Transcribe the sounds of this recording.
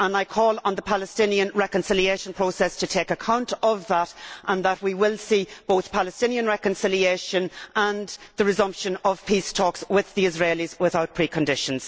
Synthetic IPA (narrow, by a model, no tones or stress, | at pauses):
ə̃naɪkʰɔːlˠə̃nðəpʰaləstɪ̃niə̃nɹɛkə̃nsɪlieɪʃə̃n̩pʰɹ̥oʊsɛstʰətʰeɪkəkʰãʊ̃ntəvðətʔə̃nðəʔ̚wiwɪlˠsib̥oʊθpʰaləstɪ̃niə̃nɹɛkə̃nsɪlieɪʃə̃nə̃nðəɹɨzʌ̃mpʃə̃nəv̥pʰistʰɔkswɪðiɪzɹeɪlizwɪθaʊt̚pʰɹ̥ikʰə̃ndɪʃə̃nz̥